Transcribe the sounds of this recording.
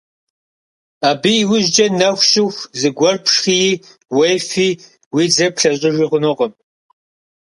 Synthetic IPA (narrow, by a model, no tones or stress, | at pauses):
aːbiwʊʒd͡ʒʼɐnɐxʷɕʼɪxʷzɨɡʷɔrpʰʂxijiː | wɐjfiː | wiːd͡zɐpɬɐɕʼɪʒiʁʷʊnɨʁəm